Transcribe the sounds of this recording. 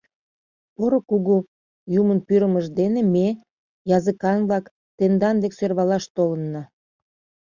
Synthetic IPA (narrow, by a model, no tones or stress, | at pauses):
poɾokuɣu | jumənpyɾəməʒd̪eneme | jɑzəkɑnβlɑk | t̪end̪ɑnd̪eksørβɑlɑʃt̪olənːɑ